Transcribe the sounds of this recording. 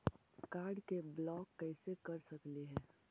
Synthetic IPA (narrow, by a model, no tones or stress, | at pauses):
kaːɾɖkeblɔːkːɛːsekɐɾsɐkliɦɛː